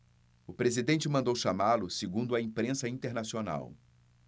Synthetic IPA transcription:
ʊpɾezid̪ẽnt͡ʃɪmɐ̃nd̪owʃamalʊsɪɡũnd̪ʊɐĩpɾẽsɐĩt̪eɾnasiona̰w

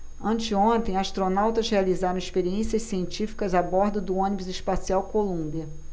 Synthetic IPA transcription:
ɐ̃nt͡ʃɪõnt̪ẽj̃aʃt̪ɾonawt̪ɐzhealizaɾɐ̃w̃ɪʃpeɾiẽsiɐssiẽnt͡ʃifi̥kɐzabɔɾd̪ʊd̪ʊõnibʊzɪspasiawkolũmbiɐ

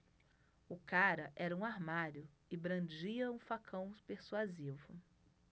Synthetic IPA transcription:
ʊkaɾɐʔɛɾɐũaɾmaɾjʊ | ɪbɾɐ̃d͡ʒiɐũfakʰɐ̃w̃peɾsuazivʊ

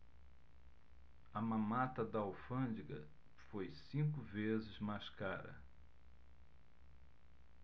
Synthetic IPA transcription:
ɐmɐ̃mat̪ɐd̪ɐawfɐ̃d͡ʒiɡɐ̰ | fojsĩkʊvezɪzmajskaɾɐ̰

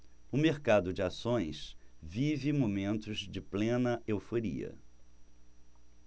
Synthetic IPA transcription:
ʊmeɾkad̪ʊd͡ʒɪasõj̃svivɪmomẽnt̪ʊzd͡ʒɪplẽnɐewfoɾḭɐ̰

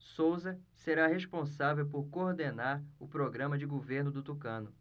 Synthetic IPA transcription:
sowzɐseɾaɦeʃpõsavewpoɾkooɾd̪enaɾʊpɾoɡɾɐ̃mɐd͡ʒɪɡoveɾnʊd̪ʊt̪ukɐ̃nʊ

